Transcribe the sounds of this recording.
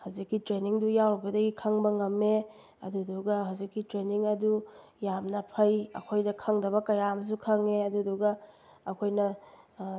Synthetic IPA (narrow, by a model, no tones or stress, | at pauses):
hawzikːitɾeniŋdujawbɐdɐɡikʰɐŋbɐŋɐmːe | ɐ̰duduɡɐɦawzikːitɾeniŋɐdu | jamnɐpʰɐjɐ̰kʰojdɐkʰɐŋdɐβɐkɐjams̬ukʰɐŋeɐduduɡɐɐkʰojnɐ